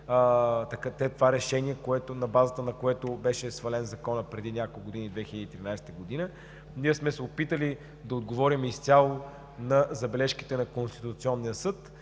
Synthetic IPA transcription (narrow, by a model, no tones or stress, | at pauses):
t̪ɐkat̪ɛt̪ovaɾɛʃɛniɛkoɛt̪ʊnɐbazət̪ənɐkoɛt̪ʊbɛʃɛsvɐlɛnzɐkɔnəpɾɛd̪inʲakolˠɡod̪inid̪vɛxilʲəd̪iːt̪ɾinajst̪əɡod̪inə | niɛsmɛsɛopit̪əli | d̪ɐod̪ɡovɔɾimist̪ʲalˠo | nɐzɐbɛlɛʃki̥t̪ɛnɐkonst̪i̥t̪ut̪siɔnːijəsɤt̪